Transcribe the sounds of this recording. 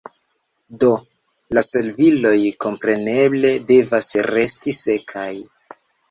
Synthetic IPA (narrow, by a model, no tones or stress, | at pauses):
do̞ | lase̞lvilo̞jko̞mpɾe̞ne̞ble̞de̞vasɾe̞stise̞kʰaj